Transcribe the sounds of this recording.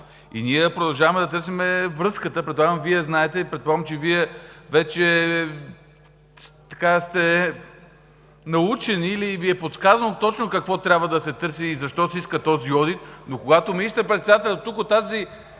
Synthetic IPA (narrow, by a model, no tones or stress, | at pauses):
ḭniɛpɾod̪ɐlˠʒavɐmɛd̪ɐt̪ɤɾsimɛvɾɤskət̪əpɾɛd̪lˠaɡəmviɛznaɛt̪ɛpɾɛt̪̚poaɡmt͡ʃɛviɛvɛt͡ʃɛ | t̪ɐkast̪ɛ | nɐut͡ʃɛniːliviɛpot̪skazənt̪ɔt͡ʃnokɐkvɔt̪ɾʲabvəd̪ɐsɛt̪ɤɾsiːzɐʃt̪ɔsiskət̪ɔziɔd̪it̪nokoɡat̪omiiʃt̪ɛpɾɛt̪sɛd̪at̪ɛlʲɐt̪t̪ukot̪ːazi